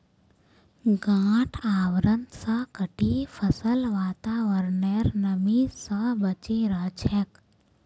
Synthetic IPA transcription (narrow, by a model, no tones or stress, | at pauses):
ɡãːʈʰaːwɾənd̪sakəʈipʰəsəlʋaːt̪aːʋəɾneɾnəmisəbət͡ʃeɾəːt͡ʃʰɛk